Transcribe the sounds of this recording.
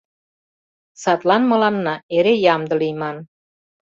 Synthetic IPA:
sɑt̪lɑnmɤ̆lɑnːɑeɾejɑmd̪ə̆lijmɑn

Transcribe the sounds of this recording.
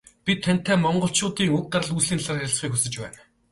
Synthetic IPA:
pʲit̪ʰːæn̥t̪ːæːmɔɴɢɞ̆ɬt͡ɕʰʊːt̪iːŋɵk̚t̪aɾəɮuːsɮiːnɮarjsχiːkxɵsɘ̆t͡ɕpæ̰ːn

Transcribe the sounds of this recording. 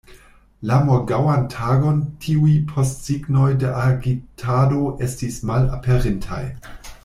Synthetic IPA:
lamoɡawantʰaɡo̞ntʰiujpʰo̞stsiɡno̞jdeʔaɡitʰado̞ʔe̞stismala̰pʰeʁintʰa̰j

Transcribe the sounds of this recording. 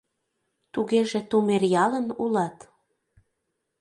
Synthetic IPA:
t̪uɣeʒĕt̪umerjɑlənulɑt̪

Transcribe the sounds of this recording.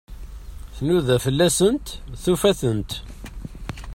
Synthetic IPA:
θnuðæfəlːæsənt̪θufæθənt̪

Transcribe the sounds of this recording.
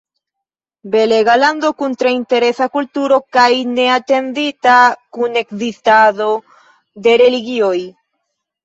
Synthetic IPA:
beleɣaland̪okunt̪ɾaint̪eɾesakult̪uɾokajneat̪end̪it̪akunekðist̪aðo | ðeɾeliɣjoj

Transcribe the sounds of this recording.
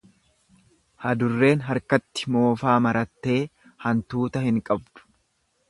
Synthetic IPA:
hɐd̪ʊrːe̞ːnɦɐɾkɐt̪ːɪ̥mo̞ːfaːmɐɾɐt̪ːe̞ː | hɐnt̪uːt̪ɐhɪŋkʼɐbd̪ʊ̥

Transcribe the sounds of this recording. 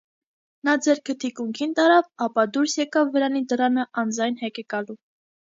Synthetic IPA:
nɑd͡zɛɾkʰət̪ʰikuŋkʰint̪ɑɾɑvɑpɑd̪uɾsjɛkɑvːəɾɑnid̪əɾɑnəʔɑnd͡zɑjnhɛkɛkɑlu

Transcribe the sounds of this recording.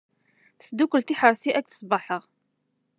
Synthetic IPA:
θsd̪ukːəlt̪iħəɾˤsiʔæk̚θə̥sˤbɑħəʁ

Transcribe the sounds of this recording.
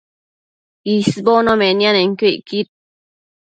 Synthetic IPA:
isbonõmẽnianeŋkeʔkit̪̚

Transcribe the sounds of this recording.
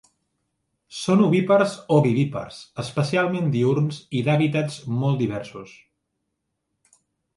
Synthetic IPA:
sonuβipəɾzoβiβipə̰rzəspəsialˠmend̪iuɾnziðaβit̪ad͡zmɔlˠt̪d̪iβɛɾsus

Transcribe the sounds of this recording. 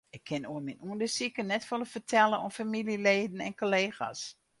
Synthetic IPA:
ɪkʰːɪnoəminuəndəsikənɛtʋoləfətʰɛlˠəɔfamilileːdn̩ɛ̰nkoleːxa̰s

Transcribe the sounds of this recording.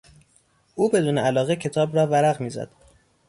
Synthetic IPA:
ʔuːbe̞d̪uːneælɒːɣecʰe̞t̪ʰɒːbɾɒːvæɾæɣmiːzæ̰d̪̥

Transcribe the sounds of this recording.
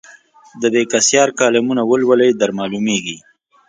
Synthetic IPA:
d̪əbekasjɑːɾkɑːlɪmunawəlwələjd̪aɾmɑlumeɡi

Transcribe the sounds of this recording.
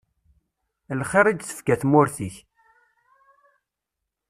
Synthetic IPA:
lχeɾˤid͡ʒ̪θə̥fɡæθmʊɾθiç

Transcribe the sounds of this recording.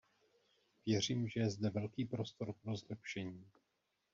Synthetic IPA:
vjɛr̝iːmʒɛjɛzd̪ɛvɛlkiːpɾo̞st̪o̞ɾpɾo̞zlɛpʃɛɲiː

